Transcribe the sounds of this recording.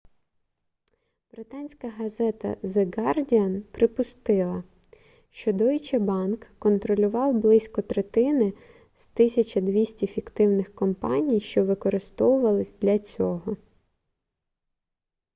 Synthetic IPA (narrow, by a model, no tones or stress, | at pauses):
b̥ɾɪt̪ɑnʲsʲkɐɦɐzɛt̪ɐ̰zeɡɑrdʲiɐnpɾɪpʊst̪ɪlˠɐ | ʃt͡ʃɔd̪ɔjit͡ʃɛbɑnkːɔnt̪ɾɔlʲʊʋɑwblˠɪsʲkɔt̪ɾet̪ɪnɪ | z̥t̪ɪsʲɐt͡ʃɐd̪ʋʲisʲtʲifʲikt̪ɪwnɪxkɔmpɑnʲijʃt͡ʃɔʋɪkɔɾɪst̪ɔwʊʋɐlˠɪsʲd̪lʲɐt͡sʲɔɦɔ